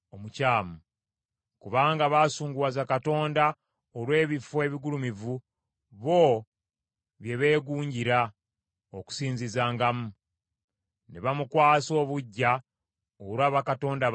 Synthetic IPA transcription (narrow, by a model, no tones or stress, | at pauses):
omucaːmu | kuβaːŋɡaβaːsuːŋɡuwazakato̞ːnda | olwe̞ːβifoe̞ːβiɡulumivu | βo̞ | βje̞βe̞ːɡuːɲɟiɾa | oku̥siːɲzizaːŋɡamu | neβamukwaːso̞ːβuɟːa | oɾwaːβakato̞ːnda